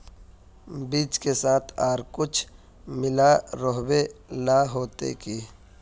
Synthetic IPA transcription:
biːt͡ʃkesaːt̪ʰaːɾkʊt͡ʃʰ | mɪlaɾɔɦbenaɦoːt̪ḛki

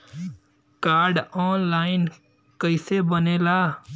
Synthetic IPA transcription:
kaːɾɖɔːnlaːɪn | kəɪseːbəneːlaː

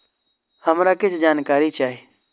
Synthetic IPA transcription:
həmɾakɪt͡ʃʰd͡ʒaːnkaːɾit͡ʃaːɦi

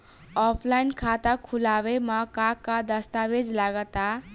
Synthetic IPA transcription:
ɔpʰlajnkʰat̪akʰulabemakakːad̪ʌst̪abed͡zlaɡʌt̪a

